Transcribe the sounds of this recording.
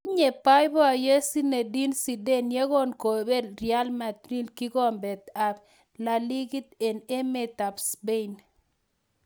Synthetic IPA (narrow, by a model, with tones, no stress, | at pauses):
ɲe˨pa˦jbɔ˦a˨je˦si˦ne˨di˦nsi˨de˦nje˦ɡo˦nko˨be˦ɾɪ˨a˦lma˨t̪ɾi˦lki˦ɡɔ˦mbɛ˨t̪a˨b | la˨li˦ɡi˦t̪e˨ne˦me˦t̪a˨psbe˦˨n